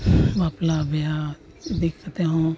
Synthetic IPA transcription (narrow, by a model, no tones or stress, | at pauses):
baːplabja | d̪ekʰt̪eɦõ